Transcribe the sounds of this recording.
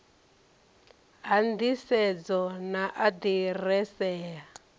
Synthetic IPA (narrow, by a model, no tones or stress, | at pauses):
ɦandisɛd͡zɔnaʔadirɛsɛːa